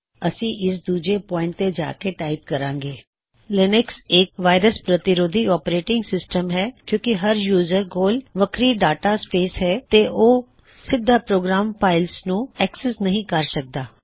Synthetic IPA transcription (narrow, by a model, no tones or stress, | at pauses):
əsĩːʔɪs̬d̪uːd͡ʒeːpɔ̃ːɪ̃ɳʈ̚t̪eːd͡ʒa̰ːkeːʈaːɪp̚kəɾãːŋɡeː | lɪnɪksɪk̚ʋaːɪɾəspɾət̪ɪɾoːd̪ʱiːɔːpɾeːʈɪ̃ŋɡsɪsʈəmɦɛːkjõːkɪɦəɾjuːzəɾɡoːlʋəkʰɾiːɖaːʈaːspeːsɦɛːt̪eːʔoː | sɪd̪ʱːaːpɾoːɡɾaːmpaːɪlsnũːɛːksɛsnəɦĩːkəɾsək̚d̪aː